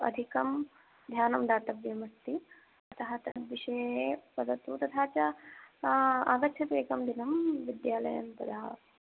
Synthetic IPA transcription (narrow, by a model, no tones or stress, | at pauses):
ɐ̰d̪ʱikɐm | d̪ʱjaːnɐmd̪aːt̪ɐʋjɐmɐst̪i | ɐt̪ɐɦɐt̪ɐʋiʃɐjepɐd̪ɐt̪ut̪ɐt̪ʰaːt͡ʃɐ | aːɡɐtːʃʰɐt̪ʋeːkɐmd̪inɐmʋid̪jaːlɐ̰jɐ̰npɐd̪ʱaː